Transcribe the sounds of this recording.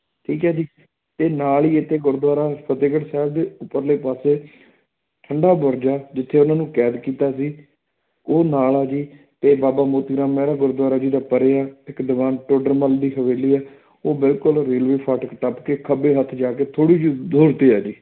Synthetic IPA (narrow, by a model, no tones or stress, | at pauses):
ʈʰiːkɦɛːd͡ʒiː | t̪eːnaːliːet̪ʰːeːɡʊɾd̪ʋaːɾaːpʰət̪eːɡəʈsɛːbd̪eːʊpːəɾleːpaːseː | ʈʰəɳɖaːbʊɾd͡ʒaːd͡ʒɪt̪ʰːeːʊnãːnũːkɛːd̪kiːt̪aːsiː | oːnaːlaːd͡ʒiː | t̪eːbaːbaːmoːt̪iːɡɾãːmːeːɾaːɡʊɾd̪waːɾaːd͡ʒiːd̪aːpəɾeːaːɪkd̪ɪʋaːnʈoːɖəɾməld̪iːɦəʋeːliːɛː | oːbɪlkʊlɾeːlʋeːpʰaːʈkʈəpkeːkʰəbeːɦət̪ʰd͡ʒaːkeːt̪ʰoːɽiːd͡ʒd̪oːɾt̪eːaːd͡ʒiː